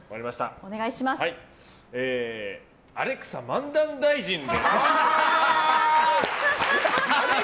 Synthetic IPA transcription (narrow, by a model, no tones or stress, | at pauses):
oβaɾʲimaɕi̥t̪a̰one̞ɡaiɕimasai | eː | aɾe̞kɯ̟̥samãnd̪ãnd̪aiʑĩnd̪e